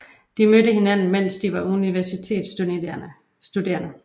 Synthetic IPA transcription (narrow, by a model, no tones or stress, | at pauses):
d̥imød̥əɦe̝næn̰n̩men̰sd̥iʋɑ̈uniʋæɐsit͡sʰe̝̰ːd̥sun | sd̥ude̝̰ːɐnə